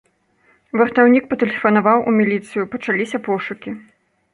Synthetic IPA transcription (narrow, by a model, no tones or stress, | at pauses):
vɐrt̪awnʲik̚pɐt̪ɛlʲɛfɐnavawʔṵmʲilʲit̪sɨjupɐt͡ʂalʲisʲɐpɔʂukʲi